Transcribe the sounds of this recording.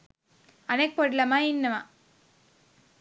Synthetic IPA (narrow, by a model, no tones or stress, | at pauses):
ɐnɛk̚pɐɽlɐmaːɪnːɐmã̰ː